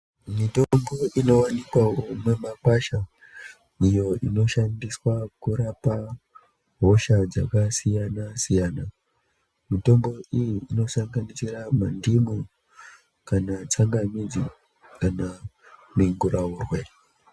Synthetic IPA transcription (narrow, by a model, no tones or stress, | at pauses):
mito̞mbo̞ino̞wanikwamemakwaʃa | ijo̞ino̞ʃandiswakuɾapa | ɦo̞ʃad͡zakasijanasijaːna | mito̞mbo̞ijiːno̞saŋɡanisiɾamandimu | kanat͡saŋɡamid͡zi | kanamiŋɡuɾauːrwe